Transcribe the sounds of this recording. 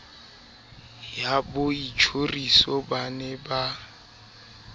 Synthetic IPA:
jabʊit͡ʃʰorisɔbanɛba

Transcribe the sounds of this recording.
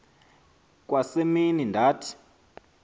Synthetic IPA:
kwaseminindʱaːtʰi̥

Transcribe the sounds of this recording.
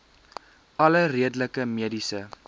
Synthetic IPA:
ʔɐləriədələkəmiədisə

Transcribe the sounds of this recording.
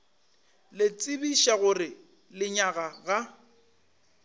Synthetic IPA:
lɪt͡sʼɪbiʃaɣʊrɪ | lɪɲaɣaɣa

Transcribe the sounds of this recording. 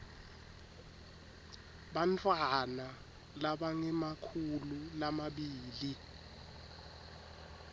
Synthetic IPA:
ɓantʰʼwana | laɓaŋɛmakʰululamaɓiːli

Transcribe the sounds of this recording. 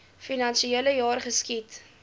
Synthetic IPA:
finɐnʃieːləjɑːrχəskit

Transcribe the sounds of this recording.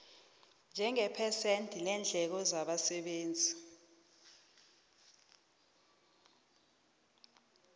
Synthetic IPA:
nd͡ʒʱɛŋɛpʰɛsentʰʼilɛnd͡ɮʱɛk̬ɔzaɓasɛɓeːnd͡zʱi

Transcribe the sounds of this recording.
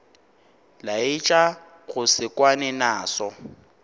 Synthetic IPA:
laɪt͡ʃʼa | ɣʊsɪkʼwanɛnaːsɔ

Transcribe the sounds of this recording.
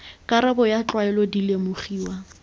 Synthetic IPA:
kʼaɾabɔjat͡ɬwaɛlɔdilemʊχiːwa

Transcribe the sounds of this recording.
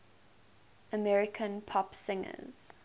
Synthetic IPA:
əmɛɹɪkʰə̃npʰɔpsɪ̃ŋə̰z̥

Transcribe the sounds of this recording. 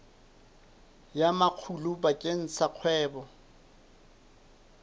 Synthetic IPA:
jamaq͡χʰulʊbakʼen̩saq͡χʰwɛːbɔ

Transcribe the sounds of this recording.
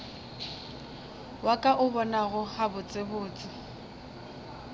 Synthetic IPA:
wakʼaʔʊbɔnaɣʊhabʊt͡sʼebʊːt͡sʼɪ

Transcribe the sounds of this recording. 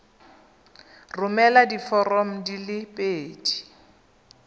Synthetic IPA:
rʊmɛladifɔrɔm̩dilɪpʼeːdi̥

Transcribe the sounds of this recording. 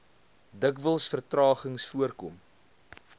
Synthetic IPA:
dəkvəlˠsfərtrɑːχəŋsfuərkɔm

